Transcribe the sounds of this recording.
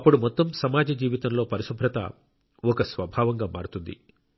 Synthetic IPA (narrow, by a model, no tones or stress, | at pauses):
ɐpːuɽumɔt̪ːɐmsɐmaːd͡ʒɐd͡ʒiːʋit̪ɐmlo̞ːpɐɾiʃubʱɾɐt̪ɐ̰ | ɔkɐsʋɐbʱaːʋɐŋɡaːma̰ːɽut̪und̪ḭ